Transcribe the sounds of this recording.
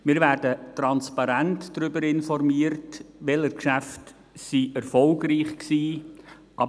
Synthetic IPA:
mɪːɾʋæːɾdətɾɑnspɑɾæntd̥ɾʏbəɾɪnfɔrmiəɾtʋɛləɾkʃæft | siɛɾfɔlɡɾiːχksiː | ʔɑ

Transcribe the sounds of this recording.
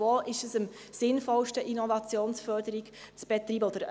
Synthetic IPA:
oːʔɪʃəsəm | sɪnfɔlʃtəʔinɔvɑt͡sjoːnsfœɾdəɾiɡ | t͡sb̥ɛt̪riːbəod̥əɾ

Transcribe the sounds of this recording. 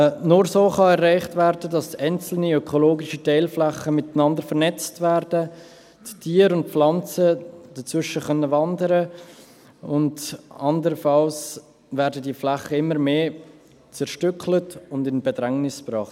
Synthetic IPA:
nʊɾsoːχɑɛɾrːaɪχtvæːɾdədɑsaɪnt͡sl̩niœkʰoloːɡɪʃitɛɪlflæχəmɪtənɑndəɾfəɾnɛt͡stvɛɾdə | ttʰiːəɾʊnt̚flɑnt͡səd̥ət͡svʏʃəχœnːəvɑndəɾə | ʊndɑndəɾəfɑls | vɛɾdədiːəflaχəɪmːəɾmeː | t͡sɛɾʃtʏklətʊndɪnbɛdɾɛŋnɪspɾɑːχt

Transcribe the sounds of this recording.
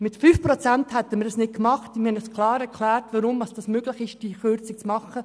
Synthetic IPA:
mɪtfyːfpɾot͡sɛnthɛt̪əmədɑsnɪt̚kmɑχtnhɛnəsklɑːɾɛɾkʰlɛːɾtvɑɾʊmvɑsd̥ɑsmøːɡlɪχɪʃd̥iχʏɾt͡sɪk̚t͡smɑχə

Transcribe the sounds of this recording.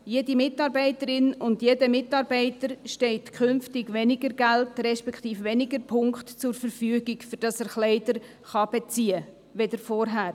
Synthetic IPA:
jedimɪtɑɾbɛɪtəɾɪnʊndjeːdəmɪtɑːɾbɛɪtəɾʃtɛɪtkʰʏnftɪɡʋɛnɪɡəɾɡæltɾɛʃpɛkχt̪iːfʋɛnɪɡəɾpʰʊŋkχtt͡sʊɾfəɾfyːəɡɪkfyɾd̥ɑsəɾχlɛɪdəɾ | χɑb̥ɛt͡siːə | ʋɛdəɾfɔɾɦæːɾ

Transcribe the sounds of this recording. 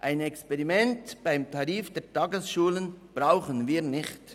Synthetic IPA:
ʔaɪnɛkspɛʁimɛntb̥aɪmtʰɑʁiːfd̥ɛːtʰɑːɡəsʃuːlənb̥ʁaʊχənviːʁnɪxt

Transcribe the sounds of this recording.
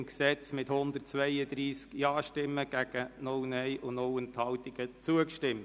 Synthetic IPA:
nksɛt͡smɪthʊnd̪ərtt͡sʋɛɪəd̪ɾiːskjɑːʃtɪmːəɡ̥æɡ̥ənʊwnɛɪʔʊnnɔwɛnt̪hɑltiɡət͡suəkʃtɪmt

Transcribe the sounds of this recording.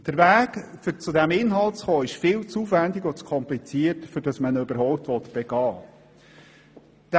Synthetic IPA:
d̥əɾvæːɡfʏt͡sʊd̪æmɪnɦɑltt͡sχoːɪʃfɪːlt͡suːvænd̪ɪɡɔt͡skʰɔmplit͡siəɾtfʏɾd̥ɑsmənøbəɾɦɔʊp̚t̪ʋɔt̪b̥eɡ̥ɑː | d̥

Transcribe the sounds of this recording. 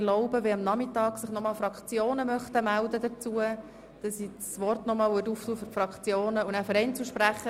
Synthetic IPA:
loʊbəʋeɑmnɑmɪtɑːɡ̥sɪχnɔmɑːlfɾɑkχt͡sjoːnəmœχt̪əmældədət͡suə | d̥ɑsi | sʋɔrtnɔmɑːlʋɪtuːftuːfʏɾfrɾɑkχt͡sjoːnəunæfyɾɛɪnt͡suʃpɾæχə

